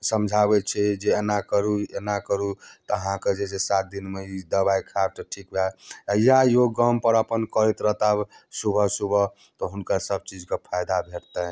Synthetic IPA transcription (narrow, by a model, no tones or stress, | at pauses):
səmd͡ʒʱabɛt͡ʃʰɛd͡ʒeenakəɾuenakəɾut̪əɦãked͡ʒesesat̪̚d̪inmeid̪əβajkʰaɾtʈʰikbʱajajoɡəmpəɾəpənkəɾit̪ɾəɦt̪absubʱəsubʱə | t̪ɔɦunkasəb̚t͡ʃid͡ʒkepʰajd̪abʱeʈt̪ə